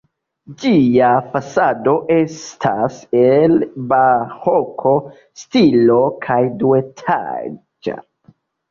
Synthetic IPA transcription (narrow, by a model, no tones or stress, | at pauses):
d͡ʒiafasado̞ʔe̞stʰaselbahokʰo̞ | stilo̞kʰajduetʰa̰d͡ʒa̰